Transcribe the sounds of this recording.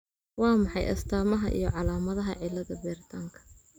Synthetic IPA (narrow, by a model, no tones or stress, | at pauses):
wɑːmɑħɑjʔɐ̰st̪ʰaːmɐɦɐʔḭjɞʕɑlaːmɐðɐɦɐʕɪlːɐðɐbɛːrɪt̪ʰaːŋkʰɐ̥